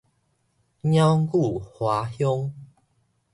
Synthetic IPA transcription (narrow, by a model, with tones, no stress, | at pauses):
ɲja˦ku˥˨hwa˨˦hjɔ˦ŋ